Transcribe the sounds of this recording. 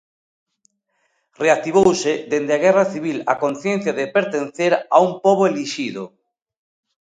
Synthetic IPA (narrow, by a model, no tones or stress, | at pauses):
reak̚t̪iβ̞owsed̪end̪eɪaɣɛraθiβilakonθjẽn̟θjaðepeɾt̪enθeɾa̰umpoβoeliʃiðo